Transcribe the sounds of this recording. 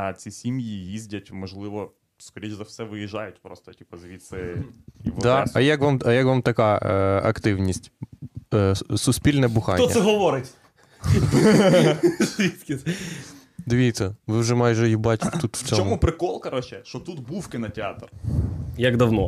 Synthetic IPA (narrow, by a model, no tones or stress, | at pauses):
ɐt͡sʲisʲimjijizʲdʲɐtʲmɔʒlˠɪʋɔ | skɔɾʲit͡ʃʲzɐwsɛʋɪjiʒajʊtʲpɾɔst̪ɔtʲipɐzʲʋʲit̪sɛiʋɔd̪ɑɐjɐkʋamɐjɐkʋɑmt̪ɐkɑɐ̰kt̪ɪwnʲisʲtʲ | sʊsʲpʲilʲnɛbʊxɑ̰nɔːɐsɛɦɔʋɔɾɪtʲ | sʲʋʲit̪kʲi | d̪ɪʋʲijt͡sʲːɐʋɪwʒɛmɑjʒɛjibɑt͡ʃɪ̥t̪ut̪w̥t͡sʲsʲɔɔmmʊpɾɪkɔlˠkɐɾɔt͡ʃɛʃt͡ʃɔt̪ut̪buwkɪnɐtʲeat̪rjɐɡd̪ɐwnɔ